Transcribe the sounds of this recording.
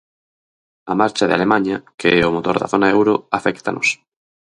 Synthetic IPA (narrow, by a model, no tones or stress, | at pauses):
amaɾt͡ʃaðḛa̰lemaɲɐkeɛomot̪oɾða̰θonaɛwɾoafɛkt̪a̰nos